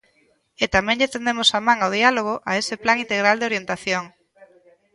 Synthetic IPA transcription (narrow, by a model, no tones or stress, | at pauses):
ɪt̪amɛ̃ŋʎet̪end̪emʊsamãŋaoðialoɣ̞oʔaesɪplaŋint̪eɣɾald̪eoɾjent̪aθjoŋ